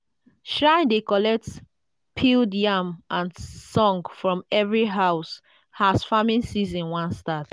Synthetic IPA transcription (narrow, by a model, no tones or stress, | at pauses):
ʃɹãɪ̃ndekɔlɛk̚t | pʰildjamãnsɔ̃ŋɡfɹɔ̃mɛvɹiɦaʊs | hasfamĩnsizɔ̃nwãnstad